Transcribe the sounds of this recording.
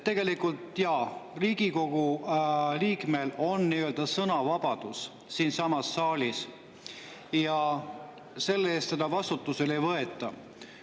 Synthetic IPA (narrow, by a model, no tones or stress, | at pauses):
t̪ːe̞ɡ̥e̞likult̪ˑjɑriːɡ̥iko̞ɡ̥u | liːkme̞lo̞nniøld̪ɑsɤnɑvɑb̥ɑd̪̥us | siːnsɑmɑsːɑːlʲis | jɑ | se̞lːee̞ːst̪sed̪̥ɑvɑst̪ut̪ːˑusele̞jvɤe̞t̪ˑːɑ